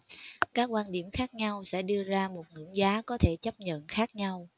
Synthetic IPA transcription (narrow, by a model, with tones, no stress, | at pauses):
kaː˦˥k̚kwaː˧nɗi˧˩əmxaː˦˥k̚ɲa˧wsɛ̰˧˥ɗɨ˧əzaː˧mo˨˩t̚ŋɨ̰˧˥əŋzaː˨˦kɔ˨˦t̪ʰe˧˩t͡ɕə˦˥p̚ɲə̰˧˨nxaː˦˥k̚ɲa˧w